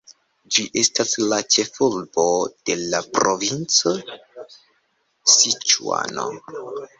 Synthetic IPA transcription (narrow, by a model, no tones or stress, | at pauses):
d͡ʒiʔe̞staslat͡ʃe̞fulbo̞d̥e̞lapɾovint͡so | sit͡ʃua̰no̰